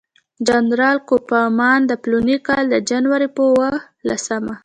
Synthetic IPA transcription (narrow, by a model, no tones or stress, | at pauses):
d͡ʒanɾɑlkopamɑnd̪əplunikɑld̪əd͡ʒanwaɾipəwə | lasəma